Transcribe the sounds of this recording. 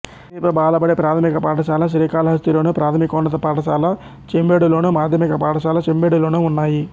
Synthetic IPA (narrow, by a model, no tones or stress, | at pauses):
ipɐbaːlɐbɐɽepɾaːt̪ʰɐmikɐpaːʈɐʃaːlɐʃ̬ɾiːkaːlɐɦɐst̪ilo̞ːnupɾaːt̪ʰɐmikɐunːɐt̪ɐpaːʈɐʃaːlɐ | t͡ʃembeːɽulo̞ːnumaːd̪ʱjɐmikɐpaːʈɐʃaːlɐt͡ʃembeːɽulo̞ːnuːnːaːji